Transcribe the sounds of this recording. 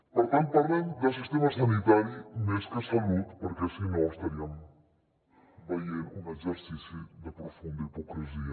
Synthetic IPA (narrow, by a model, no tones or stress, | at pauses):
poɾt̪ɐ̃nt̪upɐɾlɐ̃j̃d̪ɐsiʃt̪emɐsɐnit̪aɾjuneʃk̪ɐsɐlut̪poɾkeɐsĩnɔwʃt̪ɐɾiɐmu | vɐjeɾũmɐezeɾsisjud̪ɐpɾofũnd̪ɐipokɾiziɐ